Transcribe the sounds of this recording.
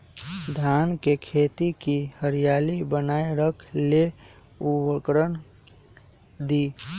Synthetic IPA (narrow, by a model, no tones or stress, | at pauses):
d̪ʱankekʰet̪ikihəɾijalibənaeɾəkʰle | uwəkɾən | d̪i